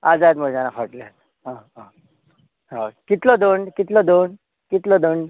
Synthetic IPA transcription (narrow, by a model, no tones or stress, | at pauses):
ad͡zajet̪m̤əd͡ʑãnafʰəʈlat̪ | ɦãɦã | ɦãkit̪lɔd̪oɳɖkit̪lɔd̪oɳ | kit̪lɔd̪oɳ